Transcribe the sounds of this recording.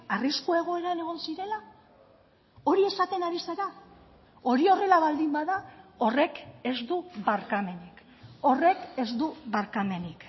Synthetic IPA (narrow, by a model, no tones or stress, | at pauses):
ariskue̞ɣ̞o̞e̞ɾane̞ɣ̞o̞nsiɾe̞la | o̞ɾie̞sat̪e̞naɾiseɾa | o̞ɾio̞re̞laβald̪imbaðao̞re̞ke̞zd̪uβaɾkame̞nik | o̞re̞ke̞zd̪uβaɾkame̞nik